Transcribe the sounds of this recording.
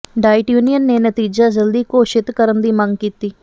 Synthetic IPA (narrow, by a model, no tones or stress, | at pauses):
ɖaːɪʈjuːnijənːeːnət̪iːd͡ʒaːd͡ʒəld̪iːkoːʃɪt̪kəɾənd̪iːmə̃ŋɡkiːt̪iː